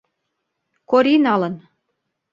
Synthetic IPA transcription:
koɾinɑlə̆n

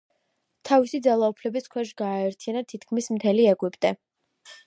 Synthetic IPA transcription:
t̪ʰavisid̪zalˠaupʰlɛbiskʰwɛʃɡaːɛɾt̪ʰianat̪ʰit̪̚ʰkʰmismt̪ʰɛliɛɡwipʼt̪ʼɛ

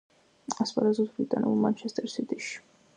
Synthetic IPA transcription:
asχad̪azɔd̪bɾit̪ʼanɛ̰bulˠmant͡ʃʰɛst̪ʼɛɾsit̪ʼiʃi̥

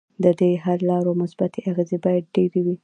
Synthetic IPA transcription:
d̪əd̪eɦaɾlɑɾomʊsbat̪ʰeʔaɣezebɑjad̪̚ɖeɾewi

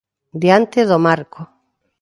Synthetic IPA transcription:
d̪iant̪eðomaɾko

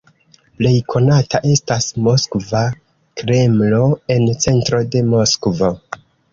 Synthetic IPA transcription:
ple̞jkʰo̞nataʔe̞stasmo̞skva | kɾe̞mlo̞e̞nt͡se̞ntɾo̞de̞mo̞skvo̞

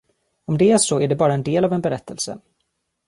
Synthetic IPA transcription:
ɔmd̪ɛæʂɔæɖɛbɑːɾaɛnd̪eːlavɛnbɛɾɛt̪ʰːəlsə̰

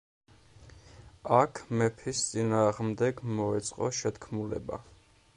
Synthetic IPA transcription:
akʰmɛpʰist̪sʼinaːʁmd̪ɛɡmɔɛt̪sʼqʼɔ̰ʃɛt̪kʰmulɛ̰ba̰

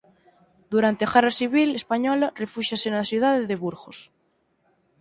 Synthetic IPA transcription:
d̪uɾant̪eaɣerasiβ̞ilespaɲɔlarefuʃasenasjuðaðeðeβuɾɣos

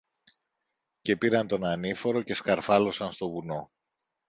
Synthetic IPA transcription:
ce̞piɾɐnt̪o̞nɐnifo̞ɾo̞ce̞skɐɾfɐlo̞sɐnst̪o̞vuno̞

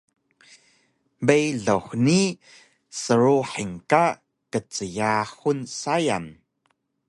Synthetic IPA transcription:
bejɮəxʷni | səɾuħiŋka | kət͡səjaxunsaja̰n

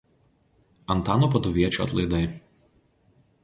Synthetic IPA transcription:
ɐnt̪ɑːnoːpɐd̪ʊʋʲiɛt͡ʃʲuɐ̰t̪lˠɐɪd̪ɐɪ

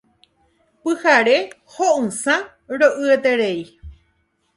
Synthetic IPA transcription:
pɨhaɾe | hoʔɨ̃sã | ɾoʔɨet̪eɾei

